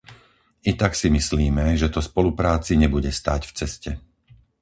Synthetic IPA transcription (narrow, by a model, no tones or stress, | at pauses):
it̪aksimisliːmɛʒɛt̪ɔspɔlupɾaːt͡siɲɛbuɟɛst̪aːcft͡sɛscɛ